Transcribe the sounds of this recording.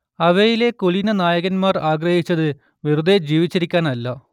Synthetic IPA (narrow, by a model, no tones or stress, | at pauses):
ɐʋejile̞koɭinɐnaːjɐɣɐnmaːraːɡrɐhit͡ɕːɐðɨ | ʋirud̪ʱed͡ʑiːʋit͡ɕːɐɾikʲːaːnɐlːɐ